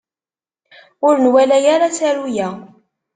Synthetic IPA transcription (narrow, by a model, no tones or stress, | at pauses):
ʊɾənwælæjaɾasæɾujæ